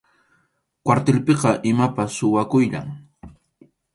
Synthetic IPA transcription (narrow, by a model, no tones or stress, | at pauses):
kwaɾt̪elpeqɑʔɪmapasːʊwakʊjʎa̰ŋ